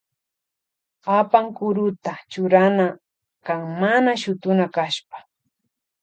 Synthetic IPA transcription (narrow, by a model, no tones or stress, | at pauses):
apaŋkʊɾʊt̪at͡ʃʊɾana | kaŋmanaʃʊt̪ʊnakaʃpḁ